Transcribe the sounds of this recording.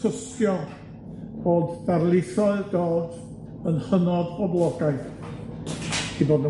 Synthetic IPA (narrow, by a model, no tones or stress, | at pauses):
əs | jɔ | b̥oːdb̥arlˠɪθɔɨdoːd | ənχənɔðbɔblˠɔɡaɨθ | iboːdnə